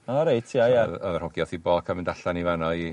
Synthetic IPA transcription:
aɾejtʰiajaðɔðər̥hɔɡjɔθibɔːkʰaməndaɬanivanɔi

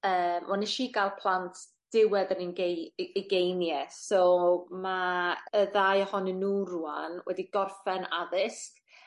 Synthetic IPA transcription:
əːmʔɔniʃiːɡalˠpʰl̥ˠantʰ | d̥ɪwɛdəninɡeiɡejnjɛsɔmaəðajɔhɔnənːuːruːa̰nwɛ̰diɡɔrfɛnaðɪst

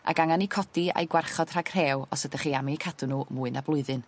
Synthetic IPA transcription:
a̰ɡaŋanikʰɔd̥ia̰jɡwarχɔd̥r̥aɡ̥r̥eːwɔ̰sədaχiːamikʰadʊnuːmuːɨnablˠʊɨðɨn

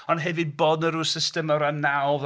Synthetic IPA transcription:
ɔnɦɛvɪd̚boːdnəɾuːsɪstəməɾanːawv

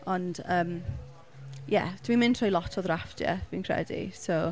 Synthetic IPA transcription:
ɔndəm | jɛ̰d̥winmɪ̃ntʰrɔjlˠɔtʰɔðrafdjɛ̰vinkʰr̥ɛ̰dḭsow

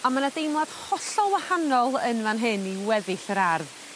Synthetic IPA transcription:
amanadejmlˠad̥hɔɬɔwahanɔlˠənmanɦɨniwɛðɪɬəɾarð

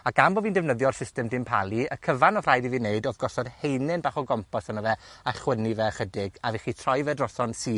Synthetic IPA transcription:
aɡamboːviːndɛvnəðjɔr̥sɪstɛmdɪmpʰalˠiəkʰəvanɔr̥ajdiviːneɨdɔvɡɔsɔd̥hejnɪnbaːχɔɡɔmpʰɔsanəvɛaχwənivɛχədɪɡaviːχitʰrɔjvɛdrɔsɔnsiː

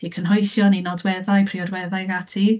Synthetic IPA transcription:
d̥ikʰənɦɔjsjɔninɔdwɛðajpʰriɔdwɛðajɡatʰi

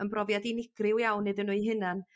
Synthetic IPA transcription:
ənbrɔvjadinɪɡ̥rɪwjawnːɨðənuɨɦɨnan

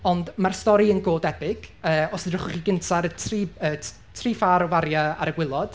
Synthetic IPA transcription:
ɔndmarstɔɾiənɡoːdɛpɪkʰəːɔsɪrʊχʊχiɡəntʰaɾtʰriːəː | tʰriːfaːɾɔvaɾjaa̰ɾəɡwɪlˠɔd̥

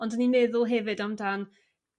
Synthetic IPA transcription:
ɔndəninmɛðʊlˠɦɛvɨdamdan

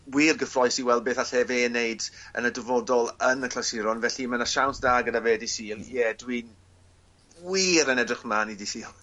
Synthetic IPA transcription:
wiːrɡəfrɔjsiwɛlˠbeːθaɬɛveːnejdə̰nədɪvɔdɔlˠənəkʰl̥asɪɾɔnvɛɬimənaʃawnsd̥aːɡədaveːdisiːlˠjɛdwin | wiːɾənɛdrɪχmanidisiːlˠ

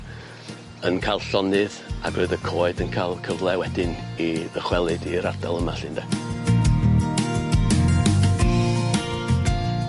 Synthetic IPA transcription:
ənkʰalˠɬɔnɨða̰ɡ̥rɨɨðəkʰoːɨdənkʰaːlˠkʰəvlˠɛwɛdɪniðəχwɛlˠɨdiɾardalˠəma̰ɬɪndɛ

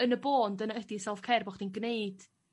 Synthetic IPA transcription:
ənəboːndənaədisɛlˠvkʰɛrbɔχd̥inɡnejd̥

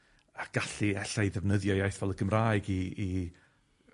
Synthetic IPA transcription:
aɡ̥aɬiɛɬaɨðɛvnəðjɔjajθvɛlˠəɡəmraːɨɡiː

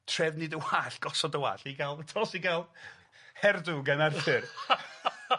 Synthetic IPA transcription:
tʰrɛvnɨdəwaːɬɡ̥ɔsɔdəwa̰ːɬiɡalˠtʰɔsiɡalˠ | hɛrduɡanarfɨr

